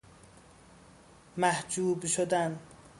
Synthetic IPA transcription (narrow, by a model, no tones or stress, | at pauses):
mæhd͡ʒuːbʃod̪an